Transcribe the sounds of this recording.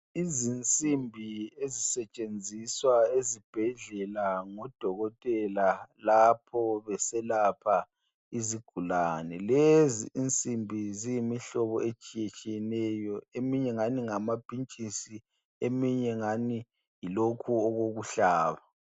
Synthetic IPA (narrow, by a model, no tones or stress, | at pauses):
izint͡sʼimbʱiezisɛt͡ʃʼend͡zʱiswaezib̥ʱɛɮɛlaŋɔd̥ʱɔɣɔtʼɛlalapʰɔβɛsɛlapʰa | iziɡ̥ʱulanɛlezḭːnt͡sʼimbʱizijimiɬɔβɔet͡ʃʼijet͡ʃʼijɛnɛjɔemiɲɛŋaniŋamab̥ʱint͡ʃʼisi | emiɲɛŋani | jilokʰuɔɣoɣuɬaːβa